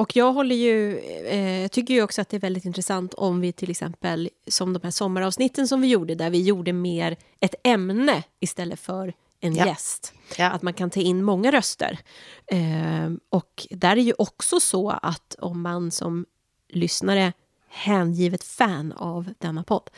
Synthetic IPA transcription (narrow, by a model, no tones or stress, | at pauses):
ɔkjɑːɡɦɔlːəjɵ | jɑːt̪ʏkːəɾjɔksɔat̪̚d̪ɛæɾvɛld̪ɪt̪ɪnt̪ɾəsant̪ʰɔ̰mvɪt̪ʰɪlɛksɛ̰mpəlsɔmd̪ɔmhæːʂɔmːaɾɑːvsnɪt̪ːənsɔmvɪjuːɖəd̪æɾvɪjuːɖəmeːɾ | ɛt̪ɛmnəɪst̪ɛlːəfœɾ | ɛnjɛst̪ | ʔa̰t̪mankʰant̪ʰɑːɪnːmɔŋːaɾœst̪ə̰ɾ | ɔkd̪æɾæɾjɵʔɔksɔsɔa̰t̪ɔ̰mːansɔ̰m | lʏsnaɾə | hæːnjiːvət̪fæːna̰vd̪̥ɛnːapʰɔd̪ː